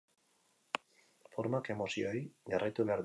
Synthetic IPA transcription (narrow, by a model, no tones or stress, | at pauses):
foɾmakemosjojɡaret̪uβaɾð